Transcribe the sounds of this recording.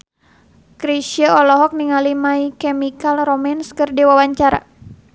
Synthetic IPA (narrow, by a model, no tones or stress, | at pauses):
kɾisiaɔlɔɦɔk̚niŋalimaikɛmikalromanskɨrdiwawaɲt͡ʃaɾa̰